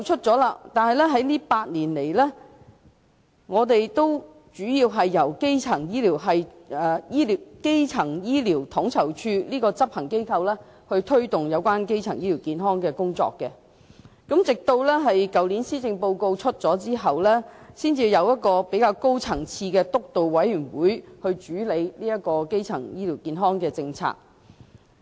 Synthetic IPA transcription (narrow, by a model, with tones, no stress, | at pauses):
wt͡ʃʰɵ˥t̚t͡sɔː˨˥laː˧t̪aː˨nhɐ˨jlɛ˥ɦɐ˨˥jliː˥paː˧t̚niː˨˩nle˨˩jlɛː˥ | ŋɔː˨˧t̪e˨jt̪o˥w | t͡ʃyː˨˥jiː˧wɦɐ˨jːɐ˨˩wke˥jt͡sʰɐ˨˩ŋjiː˥liː˨˩wɦɐ˨j | ɛː˨jiː˥li˨wke˥jt͡sʰɐ˨˩ŋjiː˥liː˨˩wt̪ʰɔ˨˥ŋt͡sʰɐ˨˩wt͡ʃʰyː˧liː˥kɔː˧t͡sɐ˥p̚hɐ˨˩ŋke˥jkʰɐ˧wlɛː˥ | hɵ˧ɥt̪ʰɵ˥ɥt̪ʊ˨ŋjɐ˨˧wkʷaː˥nke˥jt͡sʰɐ˨˩ŋjiː˥li˨˩wkiː˨˧nɦɔː˥ŋkɛː˧kʊ˥ŋt͡sɔ̰ː˧kːɛ˧ | kɐ˨˥mt͡sɪ˨k̚t̪o˧wlɛː˥ɦɐ˨jkɐ˨wliː˨˥nsiː˥t͡sɪ˧ŋpo˧wko˧wt͡ʃʰɵ˥t̚t͡sɔː˨˥t͡siː˥ɦɐ˨wlɛː˥siː˥nt͡siː˧jɐ˨˧wjɐ˥t̚kɔː˧pe˨˥jkaː˧wko˥wt͡sʰɐ˨˩ŋt͡sʰiː˧kɛː˧t̪ʊ˥k̚t̪o˨wwɐ˨˥jyː˨˩nwuː˨˥jhɵ˧ɥt͡ʃyː˨˥le˨˧jliː˥jɐ˥t̚kɔː˧ke˥jt͡sʰɐ˨˩ŋjiː˥liː˨˩wkiː˨˧nɦɔː˥ŋkɛː˧t͡sɪ˧ŋt͡sʰa̰ː˧k̚